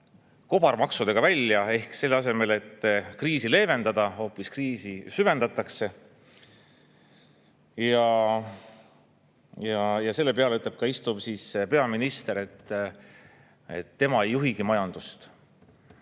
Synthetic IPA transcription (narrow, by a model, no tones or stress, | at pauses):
ko̞b̥ɑrmɑksud̪̥e̞ɡ̥ɑvælʲːjɑe̞hkse̞lːeɑs̬e̞me̞le̞t̪ːkriːsile̞ːve̞nd̪ɑd̪ɑho̞ːpːiskriːsisyve̞nd̪̥ɑt̪ːˑɑkse̞ | jɑ | jɑjɑse̞lːe̞pe̞ɑleyt̪ːˑleb̥̚kɑist̪umsiːspe̞ɑminist̪e̞ɾe̞t̪ː | ḛt̪ːe̞mɑe̞jːuɦiɡ̥imɑjɑnd̪̥ust̪